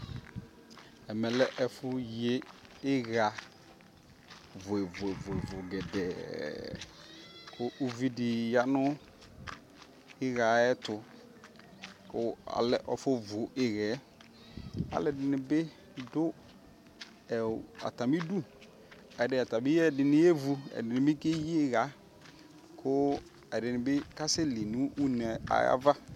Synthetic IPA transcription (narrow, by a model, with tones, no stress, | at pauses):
ɛ˨mɛ˨lɛ˦ʔɛ˨fʊ˦je˦ɪ˦ɣa˨ | vʊ˨ɛ˨vʊ˨ɛ˨vʊ˨ɛ˨vʊ˨ɡɛ˨dɛ˨ | kʰʊ˦ʔu˦vi˦dɪ˨ja˦nʊ˦ | ɪ˦ɣa˨ɛ˦tʊ˨ | kʊ˦a̰˨lɛ˨ʔɔ˨fʊ˦vʊ˨ɪ˨ɣɛ˨˦ | a̰˦lɛ˨dɪ˦nɪ˦bɪ˦ | dʊ˦ | ɛ˨a̰˨ta˨mi˦du˦˨ | ɛ˨dɪ˨a˨ta˨bɪ˦ɛ˦˨dɪ˨nɪ˦e˦vu˧ɛ̰˨dɪ˨nɪ˦bɪ˦ke˦ji˦ɪ˦ɣa˨˦ | kʰʊ˦ | ɛ˨dɪ˨nɪ˨bɪ˦ka˦sɪ˦li˨nũ˦ʔu˦nɛ˨a̰˨ja̰˦va˦